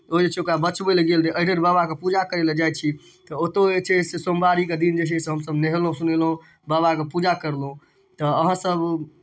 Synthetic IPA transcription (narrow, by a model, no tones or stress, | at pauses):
od͡ʒet͡ʃʰɛokɾabət͡ʃbelɡelt̪eʔəɽəɾbaβakepud͡ʒakəɾeled͡ʒajt͡ʃʰi | t̪ɔot̪oet͡ʃʰɛsesombaɾiked̪ind͡ʒet͡ʃʰɛseɦəmsəbneɦlɦũsunelɦõ | baβakepud͡ʒakəɾlɦũ | t̪ɔəɦə̃səb